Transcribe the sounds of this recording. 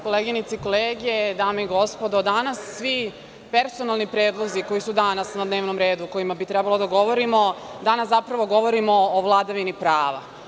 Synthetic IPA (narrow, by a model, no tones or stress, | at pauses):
ko̞leːɡinit̪siko̞leːɡijed̪aːmeiɡo̞spod̪od̪anasːʋi | pe̞ɾso̞nalˠnipɾeːd̪lˠo̞ziko̞jisud̪anasnad̪neːʋnomɾe̞ːd̪uːko̞jimabit̪ɾɛbalo̞d̪aɡo̞ʋoɾimo̞d̪anaszapɾaʋo̞ɡo̞ʋo̞ɾimo̞ːʋlˠad̪aʋinipɾaːʋa̰